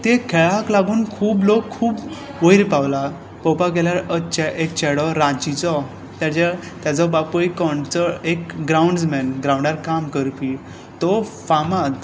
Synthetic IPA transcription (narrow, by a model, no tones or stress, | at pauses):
t̪ekʰɛɭaklaɡuːnkʰuːblokʰːuːp | ʋəjiɾpawla | pɔpakeljaɾət͡ɕɛʔek̚t͡ɕɛɽɔɾad͡ʑit͡sɔ | t̪jat͡ɕat̪jat͡sɔbapukɔɳɖt͡sɔekɡɾawɳɖd͡zmɛnɡɾawɳɖaɾkamkəɾpi | t̪ɔfamad̪